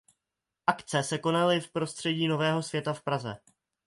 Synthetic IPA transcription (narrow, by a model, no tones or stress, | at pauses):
ʔakt̪t͡sɛsɛko̞nalɪfpɾo̞st̪r̥ɛɟiːno̞vɛːɦo̞svjɛt̪afpɾazɛ̰